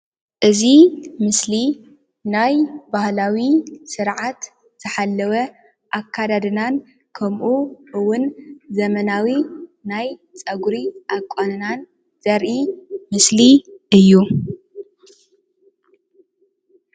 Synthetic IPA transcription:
ʔɨzimɨsli | najbahlawisɨɾʕat̪ | z̥ɐħalːɐwɐ | ʔakʰːad̪ad̪ɨnan | kʰɐmʔuʔɨwʊnzɐmɐnawinajt͡sʼɐɡuɾiʔakʷʼːonɨnan | z̥ɐɾʔimɨsliʔɨjːu

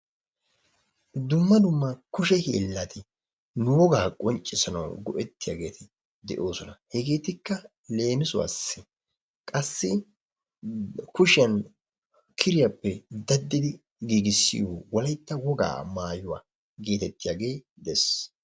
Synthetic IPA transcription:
d̪ʊmːɐd̪ʊmːɐkʊʃ̬ɛhḛːlːat̪ɪ | nʊwɔɡaːkʼɔnt͡ʃʼːɪsɐnɐ̰wɡɔʔɛt̪ːɪja̰ːɡe̞ːt̪ɪ | d̪ɛ̰ʔo̞ːsɔnɐhɛɡe̞ːt̪ɪkːɐ | le̞ːmɪsʊwa̰ːsːɪ | kʼɐsːɪ | kʊʃɪjɐn | kʰɪɾɪjɐpːɛd̪ɐd̪ːɪd̪ɪ | ɡiːɡɪsːɪ̰jowɔlɐjt̪ːɐwɔɡa̰ːmaːjʊwa̰ː | ɡeːt̪ɛt̪ːɪjaːɡe̞ːd̪ɛs

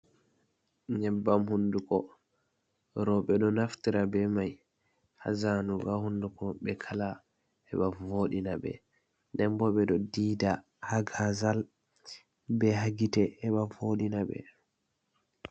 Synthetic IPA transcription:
ɲɛbːamhundukɔ | ɾɔɓɛɗɔnaftiɾabɛmaj | ha̰zanuɡahundukɔɓɛkʰala | ɛɓavoɗinaɓɛ̰ | dɛmbɔɓɛɗɔdiːda | haɡazal | bɛɦaɡitɛɛɓavoɗinaɓɛ̰

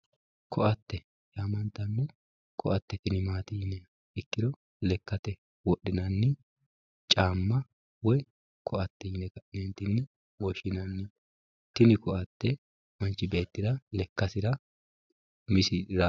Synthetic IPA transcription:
kɔʔɐt̪ːɛ | jaːmɐnt̪ːɐnːɛ | kʰɔʔɐt̪ːɛt̪ɪnɪmaːt̪iːnɛ | ɪkːɪd̪ɔ | lɛkːɐt̪ɛ | wɔɗːɪnɐnːɪ | t͡ʃʼaːmːɐ | wɔj | kʰɔʔɐt̪ːɪnɛkɐnɛnt̪ɪnːɛ | wɔʃɪnɐnːɪ | t̪ɪnɪkɔʔɐt̪ːɛ | mɐnt͡ʃːɪbe̞ːt̪ːɪd̪ɐlɛkːɐsɪɾɐ | mɪsɪɾa

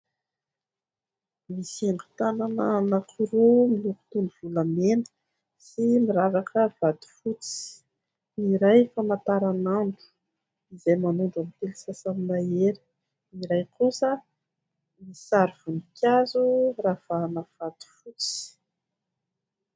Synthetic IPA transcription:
misiaŋɡu̥t̪ananənakʰuɾumiluku̥t̪unuv̥ulamenə̥ | simiɾaɾakʰəv̥ad̪u̥fut͡si̥ | iɾajfamat̪aɾanaɳɖ͡ʐu̥ | izajmanuɳɖ͡ʐamt̪elisasamnaeɾə̥ | iɾajkusə | misaɾiv̥unikʰʲazurafanav̥ad̪u̥fut͡si̥

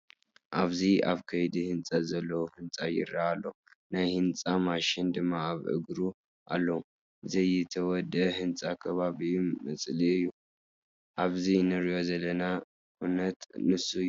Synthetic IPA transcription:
ʔaβziaβkʰɐjd̪ihɨnt͡sʼazɐlːɐwuhɨnt͡sʼajɪ̰ɾaalːɐ | najhɨnt͡sʼamaʃɪnd̪ɨmːaaβʕɨ̰ɡɾu | ʔa̰lːɐu | zɐjɛt̪ʰɐwɔd̪əhɨnt͡sʼakʰɐβaβimɐt͡sʼliɨjːu | ʔaβzinɨɾijo̞zɐlːɐna | ʔunɐt̪nɨsuj

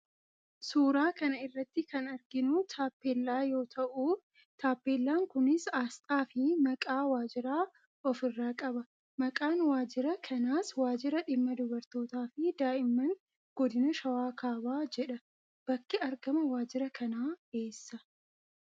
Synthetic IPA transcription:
suːɾaːkɐnɐɪrːɐt̪ːɪkɐnɐɾɡɪnʊt̪ʰaːpːeːlːaːjo̞ːt̪ʰɐʔu | t̪ʰaːpːeːlːaːŋkʊnɪsaːst̪ʼaːfɪmɐkʼaːwaːd͡ʒɪɾaː | ɔfɪrːaːkʼɐbɐ | mɐkʼaːnwaːd͡ʒɪɾɐkʰɐnaːswaːd͡ʒɪɾɐᶑɪmːɐd̪ʊbɐɾt̪o̞ːt̪aːfɪd̪aːʔɪmːɐŋ | ɡ̥ɔd̪ɪnɐʃɐwaːkaːbaːd͡ʒɛᶑɐ | b̥ɐkːɪɐɾɡɐmɐwaːd͡ʒɪɾɐkʰɐnaːe̞ːsːɐ

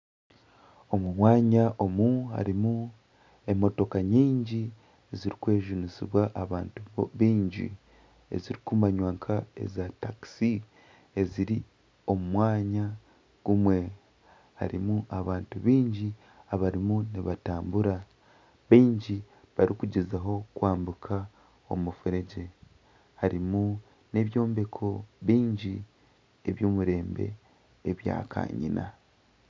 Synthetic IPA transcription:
o̞mumwaːɲaʔo̞muha̰ɾimu | e̞mo̞to̞kaɲiːɲɟi | eziɾikwe̞ːʒunisḭβwaʔaβaːntuβiːɲɟḭ | e̞̰ziɾikumaɲwaːŋkʰae̞̰zataksi | e̞ziɾi | o̞mumwaːɲa | ɡ̥umwe̞ | ha̰ɾimuʔaβaːntuβiːɲɟi | aβaɾimuniβataːmbuɾa | βiːɲɟi | βaɾikuɟizaɦo̞kwaːmbukʰa | o̞̰mufuɾe̞ɟe̞ | haɾimu | ne̞βjo̞ːmbe̞kʰo̞βiːɲɟi | e̞βjoːmuɾe̞ːmbe̞̰ː | βja̰ːkʰa̰ːɲḭnʔa̰

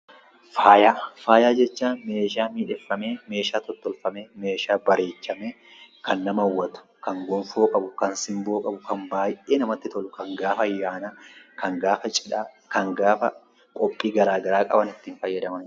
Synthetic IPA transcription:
faːjaːfaːjaːd͡ʒɛt͡ʃːaːnme̞ːʃaːmiːᶑɛfːɐme̞ːme̞ːʃaːt̪ɔt̪ːɔlfɐmeːme̞ːʃaːbɐɾe̞ːt͡ʃːɐme | kɐnːɐmɐwːɐt̪ʊ̥ | kɐŋɡɔmfoːkʼɐbʊkɐnsɪmboːkʼɐbʊkɐmbaːjʔeːnɐmɐt̪ːɪt̪ɔlʊkɐŋɡaːfɐjːaːnaːkɐŋɡaːfɐt͡ʃʼɪᶑaː | kɐŋɡaːfɐ | kʼɔpʼːiːɡɐɾaːɡɐɾaːkʼɐ̰bɐnɪt̪ːiːnfɐjːɐd̪ɐmɐn

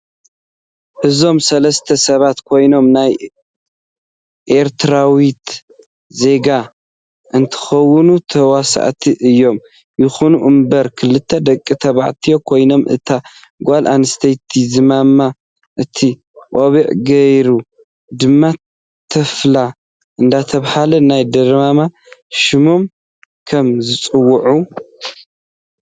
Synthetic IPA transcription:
ʔɨzo̞msɐlɐst̪ʰɐsɐβat̪kʰo̞jno̞mnaj | ʔeɾt̪ʰɾawit̪ | ze̞ɡa | ʔɨnt̪ʰɨ̥xɐwːɨnut̪ʰɐwasa̰ʕt̪ʰiʔɨjːo̞m | jɪxunuʔɨmbɐɾkʰɨlːɨt̪ʰːɐd̪ɐkʼːit̪ʰɐβa̰ʕt̪ʰijokʰo̞jno̞mʔɨ̰t̪ʰa | ɡʷalʔanɨst̪ʰɐjt̪ʰːizɨmamːa | ʔɨt̪ʰi | qʼoβiʕɡɐjɾu | d̪ɨmːa | t̪ʰːɐfla | ʔɨnd̪at̪ʰɐβhalɐnajd̪ɐɾmama | ʃɨmom | kʰɐmzɨt͡sʼɨwːʊʕu

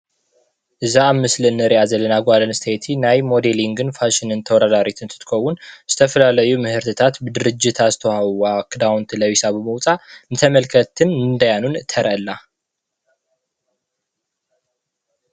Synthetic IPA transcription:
ʔɨzaːmːɨslɨnɨɾjazələnaɡʷalənɨst̪ʰəjt̪ʰinajmo̞d̪eliŋɡɨnfaʃɪnɨnt̪ʰəwɔd̪ad̪aɾit̪ʰɨnt̪ʰɨ̥t̪kʰowːunsɨ̥t̪ʰəfəlalajumɨhɨɾt̪ʰɨt̪ʰat̪bɨd̪ɨɾɨd͡ʒːɪt̪ʰast̪ʰohawakd̪awnt̪ləwisaβəməwt͡sʼamɨt̪ʰəməlkʰət̪ʰːɨnɨnd̪ajanunt̪ʰəɾʔəlːa

